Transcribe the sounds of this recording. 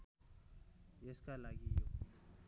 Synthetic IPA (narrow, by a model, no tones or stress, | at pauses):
jeskalaɡijo̰